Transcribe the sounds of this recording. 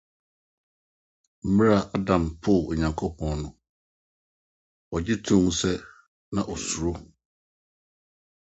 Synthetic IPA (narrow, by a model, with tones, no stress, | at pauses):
m̩˦m̃˦a˨ʔa˦dã˨mpʰʊ˦˨ɲã˨ŋkʰo˦pʰɔ̃˨nnʊ̃˨ | ɔ˨d͡ʑɪ˦tʰũ˦ŋsɛ˦ | nã˨ʔɔ˨su˨ɾo˦